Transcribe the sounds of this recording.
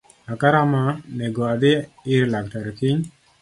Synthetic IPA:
akaɾamaneɡoad̪ɪɪɾlaktaɾekɪɲ

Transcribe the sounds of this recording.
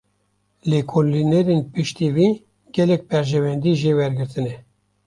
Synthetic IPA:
lekʰollinɛɾenpɨʃt̪iːwiː | ɡɛlɛk̚pɛɾʒɛwɛnd̪iːʒeːwɛɾɡɨɾt̪ɨnɛ

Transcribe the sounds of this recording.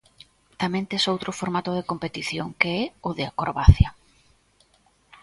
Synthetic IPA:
t̪amẽnt̪esowt̪ɾʊfoɾmat̪ʊð̞ekompet̪iθjoŋkeɛʊðɪakoɾβaθja

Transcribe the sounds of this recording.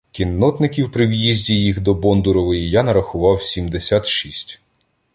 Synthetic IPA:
kʲinːɔt̪nɪkʲiwpɾɪwjizʲdʲijixd̪ɔbɔnd̪ʊɾɔʋɪjijanɐɾɐxʊʋɑwsʲimd̪esʲat̪ʃisʲtʲ

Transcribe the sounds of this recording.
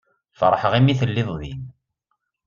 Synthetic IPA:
fəɾˤəħəʁimiθəlːɪðˤðḭn

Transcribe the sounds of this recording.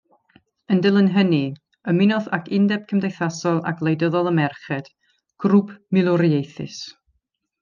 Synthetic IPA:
əndɪlˠənɦəni | əmɪnɔðakʰɪndɛb̥̚kʰəmdejθasɔlˠa̰ɡlˠejdəðɔlˠəmɛrχɛd̥ | ɡ̥rupʰmɪlˠɔɾiejθɪ̰s

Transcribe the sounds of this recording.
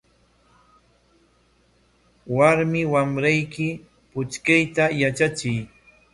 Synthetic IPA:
waɾmɪwamɾajkɪ | pʊt͡ʃkajt̪ajat͡ʃat͡ʃɪj

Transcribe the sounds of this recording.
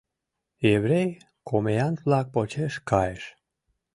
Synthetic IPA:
eβɾej | kʰomejɑnt̪βlɑk̚pot͡ɕeʃkʰɑjeʃ

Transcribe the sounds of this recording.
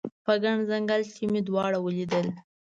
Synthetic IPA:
pəɡaɳzaŋɡaltimid̪wɑɽawəlid̪əl

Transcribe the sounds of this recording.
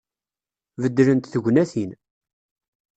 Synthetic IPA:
vəd̪ːɾənt̪θəʝʷnæθin

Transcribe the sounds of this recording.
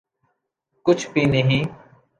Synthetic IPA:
kʊt͡ʃʰpiːneːɦĩː

